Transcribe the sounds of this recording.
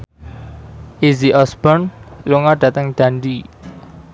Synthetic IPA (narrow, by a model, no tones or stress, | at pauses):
ʔiziʔɔsb̥ɔnluŋaɖ̥ä̤t̪əŋd̪̥a̤ɳɖi